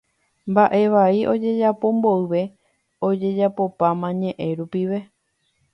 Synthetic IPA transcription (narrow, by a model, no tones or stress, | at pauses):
mbaʔe̞ʋaiʔo̞d͡ʒe̞d͡ʒapõ̞mbo̞ɨʋe̞ | o̞d͡ʒe̞d͡ʒapo̞pãmãɲẽ̞ʔẽɾupiʋe̞